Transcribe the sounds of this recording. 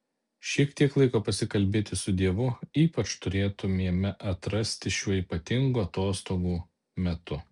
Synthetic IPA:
ʃʲiɛkt̪ʲiɛklˠɐɪkoːpɐsʲɪkɐlʲbʲeːt̪ʲɪsʊd̪ʲiɛʋʊiːpɐt͡ʃt̪ʊɾʲeːt̪ʊmʲiɛmʲɛʔɐt̪ɾɐsʲt̪ʲɪʃʲuɔiːpɐt̪ʲɪŋɡuɐt̪oːst̪oːɡuː | mʲɛt̪ʊ

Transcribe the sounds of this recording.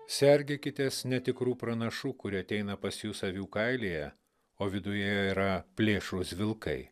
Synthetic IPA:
sʲɛɾʲɡʲekʲɪt̪ʲesnʲɛt̪ʲɪkɾuːpɾɐnɐʃuːkʊɾʲɪɐt̪ʲɛɪnɐpɐsʲjuːsɐʋʲuːkɐɪlʲeːjɛ | oːʋʲɪd̪ʊjɛjɛiɾɐpʲlʲeːʃɾʊsʲʋʲɪlˠkɐɪ

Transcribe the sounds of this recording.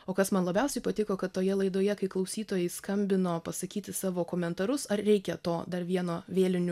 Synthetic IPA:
oːkɐsmɐnlˠɐbʲɛʊsʲɛɪpɐt̪ʲɪkoːkɐt̪t̪ːoːjɛlˠɐɪd̪oːjɛkɐɪklˠɐʊsʲiːt̪oːjɛɪskɐmʲbʲɪnoːpɐsɐkʲiːt̪ʲɪsɑːʋoːkoːmʲɛnt̪ɐɾʊsɐɾɾʲɛɪkʲɛt̪oːd̪ɐrʋʲiɛnoːʋʲeːlʲɪnʲʊ

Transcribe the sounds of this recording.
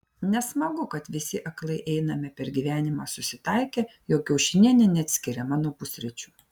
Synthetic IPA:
nʲɛsmɐɡʊkɐt̪ʋʲɪsʲɪʔɐklˠɐɪʔɛɪnɐmʲɪpʲɛɾɡʲiːʋʲæːnʲɪmɑːsʊsʲɪt̪ɐɪkʲeːjoːkʲɛʊʃʲɪnʲiɛnʲɛnʲɛɐt̪ʲsʲkʲɪɾʲɛmɑːnoːpʊsʲɾʲɛt͡ʃʲuː

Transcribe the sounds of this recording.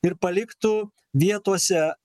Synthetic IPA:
ɪɾpɐlʲɪkt̪ʊ | ʋʲiɛt̪uɔsʲɛ

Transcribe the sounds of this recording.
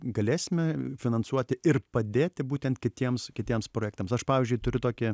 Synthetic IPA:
ɡɐlʲeːssʲɪmʲɛfʲɪnɐnsuɔt̪ʲɪɪrpɐd̪ʲeːt̪ʲɪbuːt̪ʲɛnt̪kʲɪt̪ʲiɛmskʲɪt̪ʲiɛmspɾoːjæːkt̪ɐmsɐʃpɑːʋʲiːzʲd͡ʒʲʊɪt̪ʊɾʲʊt̪oːkʲɪ

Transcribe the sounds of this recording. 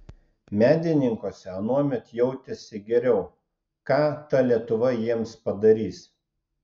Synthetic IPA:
mʲæːd̪ʲɪnʲɪŋkoːsʲɛɐnuɔmʲɛt̪jɛʊt̪ʲɛsʲɪɡʲɛɾʲɛʊ | kɑːt̪ɐlʲiɛt̪ʊʋɐjiɛmspɐd̪ɐɾʲiːs

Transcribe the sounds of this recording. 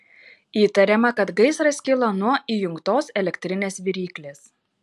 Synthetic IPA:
iːt̪ɐɾʲɛmɐkɐt̪ɡɐɪsɾɐsʲkʲɪlˠɐnuɔʔiːjʊŋkt̪oːsɛlʲɛkʲt̪ʲɾʲɪnʲeːsʋʲiɾʲiːklʲeːs

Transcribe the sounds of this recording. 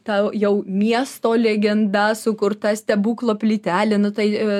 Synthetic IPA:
t̪ɑjɛʊmʲiɛst̪oːlʲeɡʲɛnd̪ɐsʊkʊrt̪ɐsʲt̪ʲɛbuːklˠoːpʲlʲɪt̪ʲæːlʲɪnʊt̪ɐɪ

